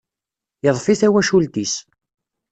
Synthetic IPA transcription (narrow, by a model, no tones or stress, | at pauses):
jəðˤfiθæwæʃult̪is